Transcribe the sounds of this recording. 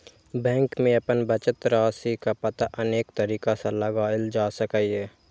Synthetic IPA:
bɛ̃ːŋkmẽɐpənbət͡ʃət̪ɾaːsikapɐt̪aʔɐneːk̚t̪əɾiːkasalɐɡaːld͡ʒaːsəkaiɦɛː

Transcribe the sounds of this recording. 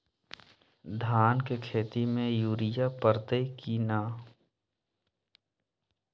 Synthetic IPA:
d̪ʱaːnkekʰeːt̪imẽjuːɾɪjapəɾt̪ekinaː

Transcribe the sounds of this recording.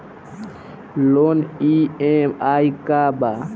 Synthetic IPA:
loniemajkaba

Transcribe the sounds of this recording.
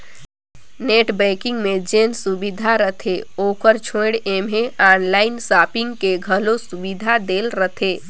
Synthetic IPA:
neːʈbɛ̃ːkɪ̃ŋɡmẽd͡ʒeːnsubid̪ʱaɾət̪ʰeoːkəɾt͡ʃʰõɽeːmeaːnlaːɪnsaːpɪ̃ŋɡkeɡʱəlosʊbid̪ʱad̪eːlɾət̪ʰeː

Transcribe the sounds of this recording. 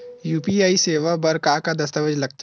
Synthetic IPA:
juːpiaːiseːʋabɐɾkakad̪ɐs̬t̪əʋəd͡ʒlɐɡ̚t̪

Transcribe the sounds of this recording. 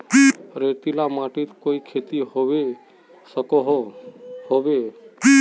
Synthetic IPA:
ɾet̪ilamaʈit̪koikʰet̪iɦoʋe | səkoɦ | hoʋe

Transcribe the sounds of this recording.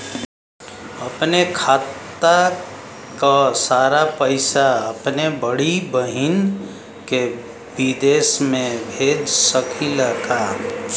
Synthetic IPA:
əpnekʰaːt̪ːa | kasaːɾapəɪsaəpnebəɽibəɦin | ke | bid̪eːsmẽbʱeːd͡ʒsəkʰiləɡa

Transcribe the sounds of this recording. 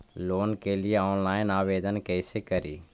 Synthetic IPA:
loːnkelɪeɔːnlaːɪnaːʋeːd̪ənkɛːsekəɾiː

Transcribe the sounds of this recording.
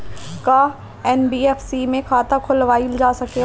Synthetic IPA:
ka | ɛnbiːɛfsimẽkʰaːt̪akʰʊlʋaːild͡ʒaːsɐke

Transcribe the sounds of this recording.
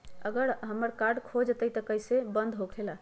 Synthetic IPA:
əɡəɾɦəmːəɾkaɾɖkʰod͡ʒt̪əjt̪əkəjsebənd̪ɦokʰela

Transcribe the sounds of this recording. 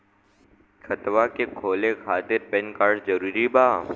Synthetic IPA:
xʰɐt̪ʋakekʰoːlekʰaːt̪ɪɾpɛ̃nkaːɾʈzɐɾuːɾibaː

